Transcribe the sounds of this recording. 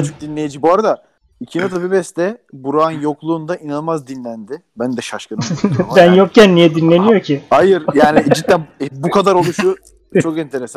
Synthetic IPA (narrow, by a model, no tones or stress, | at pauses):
t͡ʃʰuk̚d̪inlʲejid͡ʒibuaɾad̪a | icʰinat̪ʰabibɛst̪ɛbuɾaːnjo̞klˠuːnd̪aʔinanˠmazd̪inlʲænd̪ɪbænd̪ɛʃaʃkɯnbænjo̞k̚cænːijɛd̪inlʲe̞nijo̞cʰiajɯɾjaːnid͡ʒit̪ːænbukʰad̪aɾo̞lˠuʃu | t͡ʃʰo̞kɛnt̪ʰe̞ɾesan